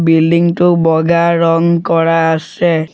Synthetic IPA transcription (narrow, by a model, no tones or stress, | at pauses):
bildiŋtʊbɔɡaɹɔŋkɔɹaːsɛ